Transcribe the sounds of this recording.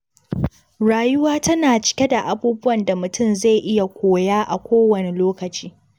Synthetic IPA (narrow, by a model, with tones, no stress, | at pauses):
ɽaː˨jʊ˦waː˦tɐ˦naː˨t͡ʃɪ̥˦kʲe˦da˨ʔa˨buː˦bʊ˦wɐ˨nda˨mʊ˨tʊ˦˨mza˦˨jʔɪ˦ja˨kʷoː˨jaː˦ʔa̰˨kʷoː˦wɐ˨ne˨loː˦kɐ˨t͡ʃiː˦